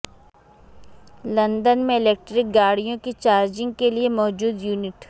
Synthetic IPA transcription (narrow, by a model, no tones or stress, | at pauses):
lɐ̃nd̪ənmẽɪleːk̚ʈɾɪk̚ɡaːɽijõkit͡ʃaːɾd͡ʒɪ̃ŋɡ̚keliemɔːd͡ʒuːd̪juːnɪʈ